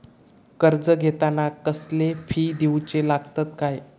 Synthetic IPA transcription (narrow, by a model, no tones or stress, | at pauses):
kəɾd͡zəɡʱet̪anakəslefʰiːd̪iwt͡ɕelaɡt̪at̪kaj